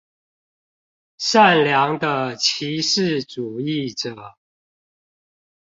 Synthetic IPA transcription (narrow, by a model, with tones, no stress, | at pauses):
ʂa˥˨nljɑ˧˦ŋd̪ə˧t͡ɕʰi˧˦ʂɻ̩˥˨ʈ͡ʂu˨˩i˥˩˨ʈ͡ʂə˨˩˦